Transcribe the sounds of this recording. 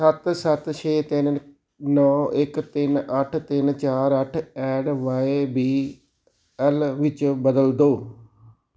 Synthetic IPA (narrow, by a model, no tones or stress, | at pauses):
sət̪sət̪ʃʰeːt̪ɪn | nɔːɪkt̪ɪnəʈʰt̪ɪnt͡ʃaːɾəʈʰɛːɖʋaːebiː | ɛlʋɪt͡ʃbəd̪əld̪oː